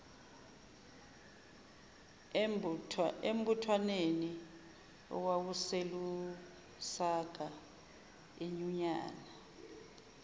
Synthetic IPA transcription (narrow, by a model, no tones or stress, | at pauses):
ḛm̩butʰwaneni | ɔ̰k̬wak̬uselu | saɡ̥ʱa | eɲuɲaːna